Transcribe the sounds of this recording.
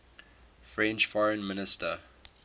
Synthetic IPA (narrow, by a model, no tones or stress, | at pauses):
fɹɛ̃nt͡ʃfɔɹə̃nmɪnɪstʰə